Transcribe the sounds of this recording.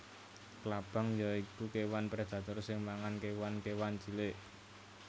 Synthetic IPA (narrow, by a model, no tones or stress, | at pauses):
klab̥ə̤ŋjaikukewanpɾed̪̥ä̤t̪ʊrsɪŋmaŋankewankewant͡ʃileʔ